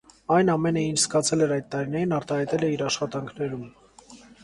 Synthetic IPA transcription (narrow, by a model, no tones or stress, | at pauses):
ɑjnɑmɛnəint͡ʃʰskɑt͡sʰɛlɛɾɑjd̪̚t̪ːɑɾinɛɾinɑɾt̪ɑhɑjt̪ɛlɛiɾɑʃχɑt̪ɑŋkʰnɛɾum